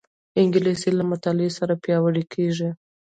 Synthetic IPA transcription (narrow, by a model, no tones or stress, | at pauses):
ɪŋɡɪlesilamʊt̪ɑlɪesaɾapjɑwəɽikʰeʐi